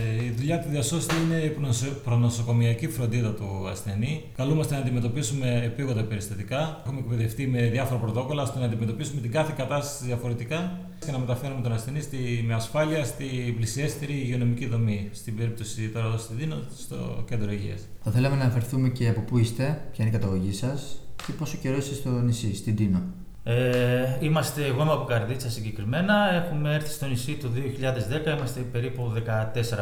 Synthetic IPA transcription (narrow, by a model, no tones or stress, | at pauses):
iðuʎɐt̪uðiɐso̞st̪iine̞ippɾonoso̞ko̞miɐcifɾo̞nd̪iðɐt̪uɐ̰sθe̞nikɐlumɐst̪enɐnd̪ime̞t̪o̞pisume̞ːpiɣod̪ɐpe̞ɾist̪ɐt̪ikɐxumekpe̞ðe̞fθime̞ðjɐfo̞ɾɐpɾo̞t̪o̞ko̞lɐst̪onɐːnd̪ime̞t̪o̞pisume̞t̪iŋɡɐθekɐt̪ɐst̪ɐ̥sizðiɐfo̞ɾe̞t̪ikɐ | scenɐme̞t̪ɐfe̞ɾumet̪o̞nɐsθe̞nist̪imeɐsfɐliɐst̪iblisiest̪eɾiʝeo̞no̞miciðomist̪ibe̞ɾip̚t̪o̞sit̪oɾɐost̪id̪inost̪o̞̰cend̪ɾoiʝḭɐ̰sθɐθe̞lɐmenɐnɐfeɾθume̞ce̞ɐpo̞puist̪e̞pçɐineikɐt̪ɐɣo̞ʝisɐsceposo̞ce̞ɾo̞sist̪est̪o̞nisist̪id̪ino̞ | eimɐst̪e̞ɣomɐpokɐɾðit͡sɐsiɲɟe̞kɾime̞nɐe̞xume̞eɾθi̥st̪o̞nisit̪oðio̞çiʎɐðe̞zðe̞kɐimɐst̪e̞pe̞ɾipuðe̞kɐt̪e̞se̞ɾɐ